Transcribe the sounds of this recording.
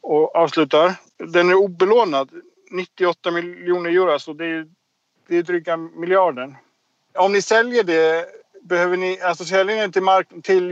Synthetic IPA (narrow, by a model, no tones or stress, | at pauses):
ɔʔɑːvslʉ̟ːt̪aɾ | d̪ɛnæɾuːbɛloːnad̪ | nɪt̪ːɪɔt̪ːamɪjuːnəɾjuːɾasɔd̪ɛæɾjɵ | d̪̥ɛjd̪ɾʏkːamɪljɑːɖəɳ | ɔmnɪsɛljəɖɛbɛhøːvənɪalsɔsɛljənt̪ɪlmaɾkt̪ʰɪl